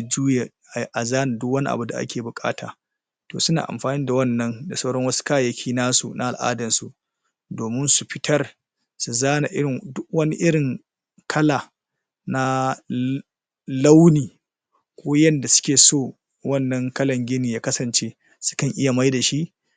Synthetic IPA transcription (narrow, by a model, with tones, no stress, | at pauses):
d͡ʒuː˦je˨ | ʔa˨ʔa˨zaː˦na˨dʊ˦kwɐ˦ni˦ʔa̰˨bu˨da̰˨ʔa̰˦kʲʰeː˨bʊ˨kʼa̰ː˦ta̰ː˨ | toː˨sʊ˦na̰ː˨ʔa̰˨mɸaː˨niː˦da˨wɐ˦nːɐ˦nda˨sɐ˦wɽɐ˦ŋwɐ˦su̥˦kaː˦˨jɐ˦kʲʰiː˦naː˦sṵ˨nʔa˨ʔa˨lʔa̰ː˦dɐ˨nsu˨ʔ | doː˨mɪ˦nsu˨ɸɪ˦tʰɐ˦r | su˨zaː˦na˨ʔɪ˦ɽɪ˨dʊ˦k̚wɐ˦ni˦ʔɪ˦ɽɪ˨ŋ | kʰɐ˦la˨ | na˦ | la˦wniː˨ | kʷoː˦jɐ˦nda˨sʊ̥˦kʲeː˨soː˦˨ | wɐ˦nːɐ˦ŋkɐ˦lɐ˨ŋɡʲɪ˦niː˨jaː˦kɐ˦sɐ˨nt͡ʃeː˦ | sʊ̥˦kɐ˨ŋʔɪ˦ja˨ma˦jda˨ʃi˦ʔ